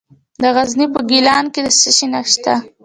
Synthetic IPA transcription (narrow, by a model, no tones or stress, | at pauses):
d̪əɣaznipəɡilɑnked̪əsəʃinaʃt̪a